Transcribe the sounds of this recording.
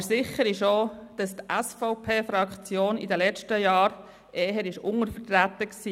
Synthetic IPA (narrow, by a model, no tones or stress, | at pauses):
sɪχəɾɪʃod̥ɑst̪ɛsfɔʊpʰeːfɾɑkt͡sjoːnḭdəlɛt͡ʃtəjɑːɾ | ʔeːɦəɾɪʃʊŋəɾfət̪ɾæt̪əksiː